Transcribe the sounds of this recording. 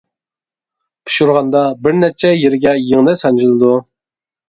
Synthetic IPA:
pʰu̥ʃuɾʁɑnd̪ɑbɪɾnɛt͡ʃʰɛjeɾɪɡʲɛjeŋnɨsɑnd͡ʒilˠɨd̪u

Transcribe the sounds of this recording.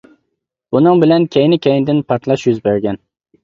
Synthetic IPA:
bʊnɪŋbɪlankʲʰejnɪkʲʰejnd̪ɪnpʰaɾt̪lˠaʃjʊzbeɾɡʲan

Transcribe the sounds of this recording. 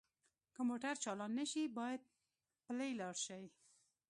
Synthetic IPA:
kəmoʈaɾt͡ʃɑlɑnːəʃibɑjad̪̚ | plajlɑɽʃawi

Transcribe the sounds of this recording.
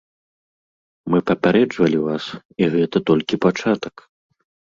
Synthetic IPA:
mɨpɐpʲaɾɛd͡ʐvɐlʲivas | iɣɛt̪ɐt̪ɔlʲkʲipat͡ʂat̪ɐk

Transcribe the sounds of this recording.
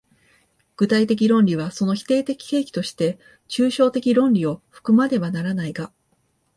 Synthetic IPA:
ɡ̥ɯ̟t̪ait̪e̞k̬ʲiɾõ̞nɾʲiβ̞aso̞no̞çʲi̥t̪e̞ːt̪e̞kʲi̥ke̞ːkʲi̥t̪o̞ɕi̥t̪e̞ | t͡ɕɨːɕo̞ːt̪e̞kʲiɾõ̞nɾʲio̞ɸɯ̟̥kɯ̟mad̪e̞βanaɾanaiɡa

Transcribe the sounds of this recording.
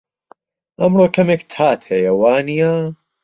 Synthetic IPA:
ʔɐmroːkʰɐmekt̪ʰaːt̪hɐjɐwaːnija

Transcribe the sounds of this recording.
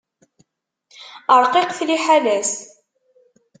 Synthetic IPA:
əɾˤqiqθliħalæs

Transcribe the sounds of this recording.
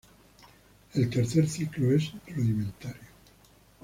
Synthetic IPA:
elt̪eɾθeɾθikloesd̪ruðimẽnt̪aɾjo

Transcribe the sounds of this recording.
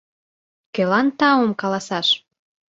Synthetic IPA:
kelɑnt̪ɑwomkɑlɑsɑʃ

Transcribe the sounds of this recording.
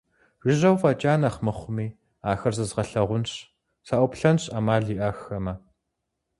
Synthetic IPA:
ʒʷɪʒɐwfɐt͡ʃʼaːnɐχmɨχʷʊmiː | aːxɐrzɨzʁɐɬɐʁʷʊnɕ | saʔʷʊpɬɐnɕʼɐmaːɮiːʔɐxɐmɐ

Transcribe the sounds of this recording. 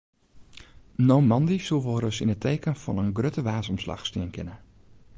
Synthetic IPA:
noːmɑndisulˠʋoɾəsinətʰejkənfɔnənɡrøtəʋaːsɔmslɑ̰xstiənkʰɪnə

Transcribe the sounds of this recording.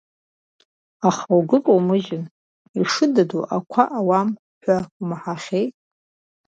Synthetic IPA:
aχawɡɨkʼowmɨʒɪn | iʂɨdaduʔakʷʰaʔawam | ħʷᶣaumħaχʲejtʼ

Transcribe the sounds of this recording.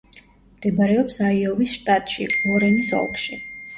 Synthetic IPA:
md̪̥ɛbaɾɛɔpsaiɔvisʃt̪ʼat̪ʼʃḭɔɾɛnisɔ̰lˠkʼʃi

